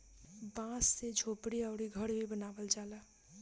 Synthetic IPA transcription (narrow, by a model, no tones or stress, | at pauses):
bãsːed͡ʒʱopɽiəʊɽiɡʱəɽbʱibənabəld͡ʒalə